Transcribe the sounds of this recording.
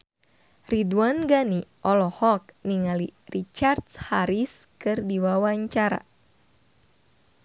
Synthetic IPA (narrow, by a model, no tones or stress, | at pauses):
riduanɡaniʔɔlɔhɔk̚niŋalirit͡ʃartshaɾiskɨrdiwawaɲt͡ʃaɾa̰